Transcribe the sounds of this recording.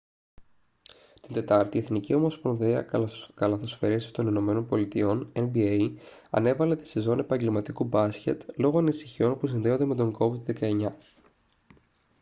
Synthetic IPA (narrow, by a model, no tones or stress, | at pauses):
t̪ind̪e̞t̪ɐɾt̪ieθnicio̞mo̞spɾonðiɐkɐlɐθo̞sfe̞ɾisi̥st̪o̞nino̞me̞no̞npo̞lit̪io̞nenbieɐ̰ne̞vɐle̞t̪i̥sezo̞ne̞pɐɲɟelmɐt̪ikubɐsce̞̰t̪lo̞ɣo̞ɐnisi̥çio̞npusinðe̞o̞nd̪e̞me̞t̪o̞ŋɡo̞vid̪ðe̞kɐe̞ɲɐ